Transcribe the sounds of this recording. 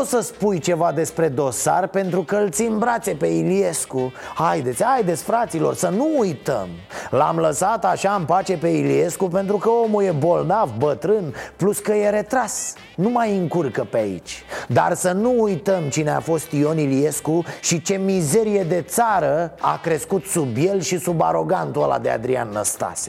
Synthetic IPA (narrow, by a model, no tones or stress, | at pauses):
osəspujt͡ʃe̞vad̪e̞spɾe̞d̪o̞sa̰rpe̞nt̪ɾukəɨlt̪simbɾat̪se̞pe̞ilie̞skuhajd̪e̞t̪sʲajd̪e̞t̪sʲfɾat̪silo̞̰rsənuːjt̪ə̰m | la̰mləsat̪aʃaɨmpat͡ʃe̞pe̞ilie̞skupe̞nt̪ɾukəo̞mulje̞bo̞lnavbət̪ɾɨnpluskəje̞ɾe̞t̪ɾas | numajɨŋkurkəpeaḭt͡ʃʲd̪a̰rsənuːjt̪əmt͡ʃineafo̞st̪io̞nilie̞skuʃit͡ʃe̞mize̞ɾije̞d̪e̞t̪saɾəa̰kɾe̞skut̪subje̞lʃisubaɾo̞ɡant̪uəla̰d̪ḛa̰d̪ɾia̰nːəst̪a̰se